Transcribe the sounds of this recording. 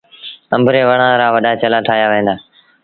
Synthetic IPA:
ə̃mbʱɾeːʋəɽãːɾaːʋəɗaːt͡ʃəlaːtʰaːjaːʋẽːnd̪aː

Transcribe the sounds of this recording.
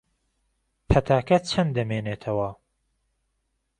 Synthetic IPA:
pʰɐt̪ʰaːkɐt͡ʃʰɐnd̪ɐmeːneːt̪ʰɐwɐ

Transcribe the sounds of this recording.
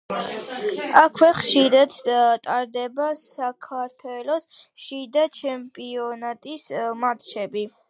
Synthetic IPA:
akʰwɛχʃiɾad̪t̪ʼaɾd̪ɛbasakʰaɾt̪ʰwɛlɔsʃid̪at͡ʃʰɛmpʼiɔnat̪ʼismat̪ʼʃɛbi

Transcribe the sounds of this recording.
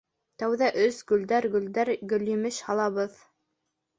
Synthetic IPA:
t̪æwðæʔɵsɡɵ̆ld̪æɾɡɵ̆ld̪æɾɡɵ̆ljɵ̆mɘʃhɑlˠɑβɤð

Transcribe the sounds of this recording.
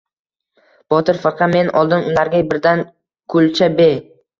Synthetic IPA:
b̥ɒt̪ɪɾfɪɾqʰɑme̞nɒlˠd̪ɪnʊlaɾɡʲabɪɾd̪an | kʰʊlt͡ʃʰabe

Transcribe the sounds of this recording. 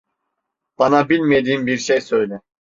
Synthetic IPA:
b̥ɑnabilʲmed̪iːmbiɾʃejsø̞jlɛ

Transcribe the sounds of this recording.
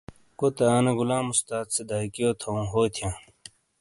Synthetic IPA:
kot̪eaːneɡulãːmust̪aːt̪sed̪aːjkijoːt̪ʰoũːɦoːt̪ʰijãː

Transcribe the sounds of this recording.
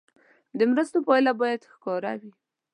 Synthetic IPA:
d̪əmɾəst̪opɑjlabɑjad̪xkɑɾa̰wi

